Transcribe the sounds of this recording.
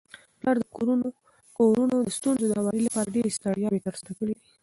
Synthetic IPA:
plɑɾd̪əkoɾuno | koɾunod̪əst̪unzod̪əhawɑɾilapɑɾaɖeɾest̪ɑɽjɑbet̪əɾst̪akəɽed̪i

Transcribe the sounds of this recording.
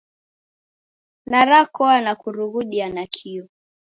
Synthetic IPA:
naɾakɔanakuɾuɣuɗianakʰiɔ

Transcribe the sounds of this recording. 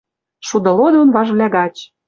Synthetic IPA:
ʃud̪ɤ̆lod̪onvɑʒβlʲæɣɑt͡ɕ

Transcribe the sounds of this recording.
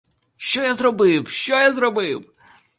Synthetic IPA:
ʃt͡ʃɔjazɾɔbɪwʃʲt͡ʃɔjazɾɔbɪw

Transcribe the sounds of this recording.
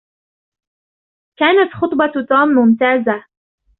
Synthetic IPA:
kaːnat̪xʊt̪ˤbɑt̪uːmːʊmt̪aːza

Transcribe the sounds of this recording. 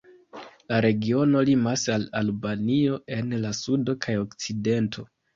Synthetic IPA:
laɾe̞ɡio̞no̞limasalalbanio̞e̞nlasudo̞kʰajo̞kt͡side̞ntʰo̞

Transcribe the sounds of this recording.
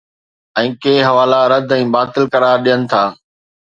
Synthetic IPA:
ɛ̃ːkeːɦɐʋaːlaɾɐd̪ʱɛ̃ːbaːt̪ɪlkɐɾaːɾɗijənɪ̆t̪ʰaː

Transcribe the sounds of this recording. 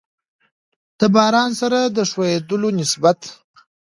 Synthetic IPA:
d̪̥əbɑːɾɑnsaɾad̪əʂwajed̪əlonɪsbat̪

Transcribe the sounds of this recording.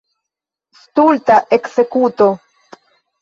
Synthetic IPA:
st̪ult̪aʔekse̞kut̪o

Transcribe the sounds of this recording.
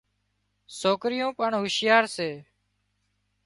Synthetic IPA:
soːkɾɪjõːpəɳɦʊʃjaːɾseː

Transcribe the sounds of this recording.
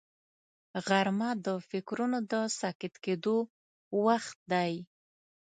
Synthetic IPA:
ɣaɾmad̪əfɪkɾunod̪əsakɪt̪ked̪o | waxt̪̚d̪aj

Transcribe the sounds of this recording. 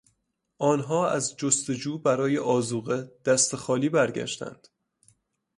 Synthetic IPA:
ʔɒːnɦɒːæ̰zd͡ʒost̪e̞d͡ʒuːbæɾɒːjeʔɒːzuːɣed̪̥æst̪exɒːliːbæɾɟæ̰ʃt̪æ̰nd̪̥

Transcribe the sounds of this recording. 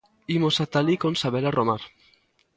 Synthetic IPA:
imosat̪alikonsaβelarʔomaɾ

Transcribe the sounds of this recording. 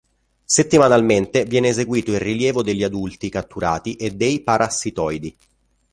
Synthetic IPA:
set̪ːimanalment̪evjɛːneːzeɡwiːt̪oilriljɛːvod̪eʎːiad̪ult̪ikat̪ːuɾa̰ːt̪iʔed̪ːejpaɾʔasːit̪ɔjd̪i

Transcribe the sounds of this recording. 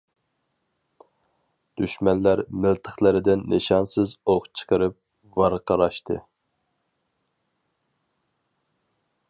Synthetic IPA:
d̪̥yʃmɛnlæɾmɪlt̪ʰəχlˠɨɾɪd̪ɪnːeʃɑnsɨzoʁt͡ʃʰə̥qəɾɨp̚ | vɑɾqʰəɾɑʃt̪ʰɨ̰

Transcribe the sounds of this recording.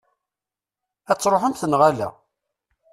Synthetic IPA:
æt͡sːɾˤoħəmθənʁalæ̰

